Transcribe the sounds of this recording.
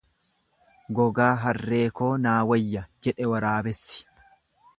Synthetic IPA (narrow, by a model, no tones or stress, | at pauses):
ɡɔɡaːɦɐrːe̞ːko̞ːnaːwɐjːɐd͡ʒɛᶑɛwɐɾaːbɛsːɪ̥